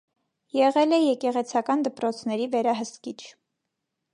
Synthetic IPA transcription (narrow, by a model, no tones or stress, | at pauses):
jɛʁɛlɛjɛkɛʁɛt͡sʰɑkɑnd̪əpɾɔt͡sʰnɛɾivɛɾɑɦəst̪kit͡ʃʰ